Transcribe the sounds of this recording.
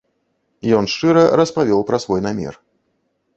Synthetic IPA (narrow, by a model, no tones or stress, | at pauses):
jɔnʂt͡ʂɨɾɐɾɐspavʲɔwpɾɐsvɔjnamʲɛ̰r